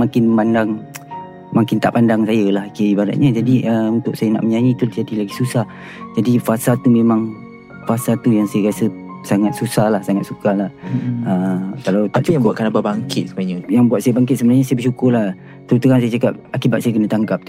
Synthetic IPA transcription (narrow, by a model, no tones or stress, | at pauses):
makɪnmandaŋ | makɪnt̪a̰ʔpandaŋsajəlahkiibada̰t̪̚ɲəd͡ʒadiʔəunt̪ʊk̚sajəna̰ʔməɲajĩt̪ut̪d͡ʒadilaɡisusah | d͡ʒadifasalt̪umemãŋ | fasat̪ujaŋsajəɾasə | saŋat̪̚susahlahsaŋat̪̚sukalahəkalawt̪aʔujaŋbuatʔ̪̚kanababaŋkɪt̪̚səmaaɲəjaŋbuat̪̚sajəbaŋkɪt̪̚səbənarɲasajəbəʃukʊrlah | t̪əɾut̪uɣansajət͡ʃakap̚akibat̪̚sajəkənat̪aŋkap̚